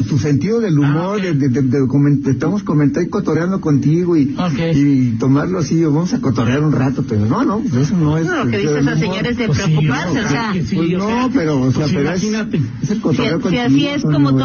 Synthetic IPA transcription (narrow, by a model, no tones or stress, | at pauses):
t̪use̞nt̪iðoðe̞lumo̞ɾðeðededekomẽnest̪amoskomẽnt̪aɾikot̪oɾjand̪oko̞nt̪iɣoioeit̪o̞maɾloasioβamosakot̪oɾjaɾunrat̪opeɾononopesesonoesðoðelumooɾeenoseenopeɾoːseapeɾoesinat̪eeselkot̪oɾjeokoniiso